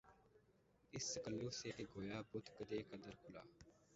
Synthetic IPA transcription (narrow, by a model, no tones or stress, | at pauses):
ɪsːəkəlːuːseːʈ̪eːɡoːjaːbʊt̪kəd̪eːkəd̪əɾkʰʊla̰ː